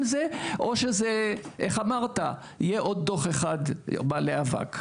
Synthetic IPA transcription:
mzeʔo̞ʃezeʔeχamaʁt̪a | ijeʔo̞d̪̚ːo̞χeχad̪baleava̰k

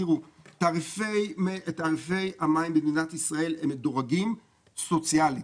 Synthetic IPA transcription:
iʁutaʁifeet̪aːʁife̞jamaimbed̪inat̪isʁae̞lemːedoʁaɡim | so̞t͡siali

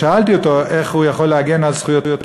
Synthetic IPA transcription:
aalt̪iot̪o̞e̞χhujaχo̞lːeaɡenalsχujo̞t̪jot̪

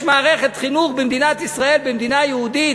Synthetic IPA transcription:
ʃmaːʁeχet̪χinuχbemd̪inat̪isʁaelbemd̪inajehud̪i

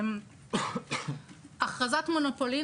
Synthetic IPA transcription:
m | ʔaχazatmonopoli

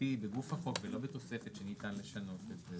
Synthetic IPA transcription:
ibeɡufaχo̞kvelo̞bet̪o̞sefet̪ʃenit̪anle̞ʃano̞t̪etbe

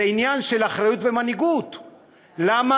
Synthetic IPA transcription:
einjanʃe̞laχʁajut̪ve̞maniɡut̪ | lama

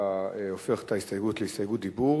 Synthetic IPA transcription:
aeofeʁtahistajeɡut̪leistajɡutibu

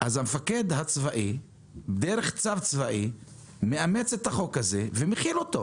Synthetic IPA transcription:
ʔazhamefake̞d̪hat͡svaʔi | bed̪eʁeχt͡savt͡svaʔi | meame̞t͡set̪haχo̞khaze̞vemeχilo̞t̪o

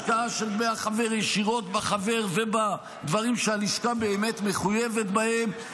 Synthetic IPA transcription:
kaaʃelmeaχave̞ʁjeʃiʁo̞t̪baχave̞ʁve̞ba | d̪vaʁimʃealiʃkabe̞ːmet̪me̞χuje̞vet̪bahe̞m

